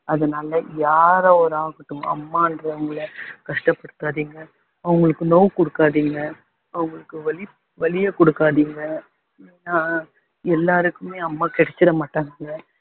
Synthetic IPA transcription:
ɐðɐnaːlɐjaːɾɐɔɾaːɣɐʈːɯ̃ɐ̰mːaːɪndɾɐɐŋɡɐɭɐkɐʂʈɐpːɐɽɯt̪ːaːðiːŋɡɐ | ɐʋɐŋɡɐɭɯkːɯnoːwkɔɽɯkːaːðiːŋɡɐ | ɐʋɐɯŋɡɐɭɯkːɯʋɐlɪ | ʋɐlɪjɐkɔɽɯkːaːðiːŋɡɐ | nːaː | ɛlːaːɾɯkːɯmeːɐmːaːkɪɽɛt͡ʃːɪɾɐmaːʈːaːŋɡɐ

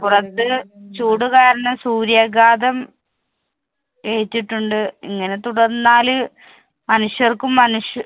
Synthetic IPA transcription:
purɐt̪ːɨt͡ɕuːɽukaːɾɐɳɐmsuːɾjaɡaːd̪ɐm | eɻtːiʈːuɳɖɨiŋːɐne̞t̪uɽɐrnːaːlɨ | mɐnuʂjɐrkumːɐnuʂ

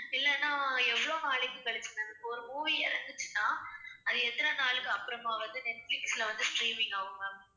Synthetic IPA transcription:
ɪlːɛnːaːɛʋːɐɭoːnaːɭɪkːɯ̃kɐɭɪt͡ʃːɯnɐðɯkːɔɾɯmuːʋiɪɾɐnd̪ɯt͡ʃːɯ̥nːaːɐðɯɛt̪ːɐnɐnaːɭɯkːɯɐpːɯɾɐmaːʋɐnd̪ɯnɛʈflɪkslɐʋɐnd̪ɯsʈɾiːmɪŋɡaːʋɯŋɡɐ

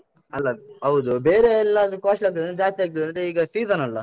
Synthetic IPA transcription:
ɐlːɐɦɐwd̪ubeːɾeɛlːɐːd̪ɐɾukaːʃlɐk̪̚ːɐd̪ɐnːd͡ʒaːst̪eːk̚t̪ɐɐneiːɡɐsiːzɐnɐlːɐ

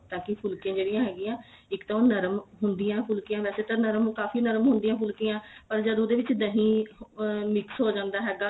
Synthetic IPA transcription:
t̪ãːkɪpʰʊlkẽːd͡ʒeːɽɪjãːɦɛːɡiːãː | ɪkt̪ãːnəɾmɦʊnd̪ijãːpʰʊlkeãːʋɛːseːt̪ãnəɾmkaːfiːnəɾmɦʊ̃nd̪ijãːpʰʊlkɪːãːpəɾd͡ʒəd̪oːd̪eːʋɪt͡ʃd̪əɦĩː | mɪksɦoːd͡ʒãːnd̪aːɦɛːɡaː

